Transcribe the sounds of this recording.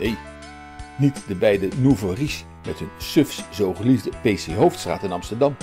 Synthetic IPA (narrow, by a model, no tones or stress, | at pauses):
nej | nitdəbɛjdənuvəris | mɛtɦɵnsɵfszowχəlivdəpejseɦowftstra̰ːtɪnɑmstəɹdɑm